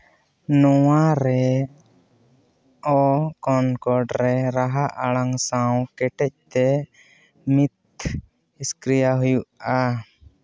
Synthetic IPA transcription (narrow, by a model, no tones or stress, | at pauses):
nɔwaɾɛ | ɔkɔnkɔɖɾɛɾaɦaʔaɽaŋsawkɛʈɛc̚t̪ɛ | mit̪̚ | iskɾijaɦujuʔa